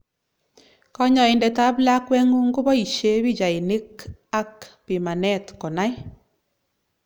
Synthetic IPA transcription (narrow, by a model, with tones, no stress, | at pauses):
kɔ˦ɲɔ˨ɪ˨ndɛ˨ta˦bla˦kwɛ˦ŋu˦ŋɡʊ˦βɔ˦i˨ʃe˦βi˦d͡ʒa˨e˨nɪ˦ka˦kpi˨ma˨nɛ˦tkɔ˨na˦j